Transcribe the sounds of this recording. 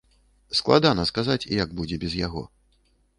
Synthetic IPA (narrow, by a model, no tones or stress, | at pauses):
sklˠad̪anɐskazat͡sʲḭjaɡ̚bud͡zʲɛbʲɛzjaɣɔ̰